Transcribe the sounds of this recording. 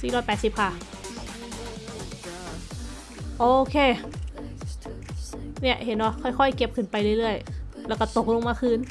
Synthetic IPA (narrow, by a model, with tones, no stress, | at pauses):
siː˨˩ɾɔː˧˩˨pɛː˨˩t̪̚si˨˧˦p̚kʰa˧˩ | ʔoː˧˨˧kʰeː˧˨ | ni˧˥˩əʔhe˨˦ndɔ˧˩kʰɔ˧˩jkʰɔ˧˩˨jke˧˥p̚kʰɯ˧˩npa˧jlɯ˧˩˨jlɯ˥˩əj | lɛː˧˩wka˧˩t̪o˨˩k̚lo˧ŋmaː˧kʰɯː˧˥˨n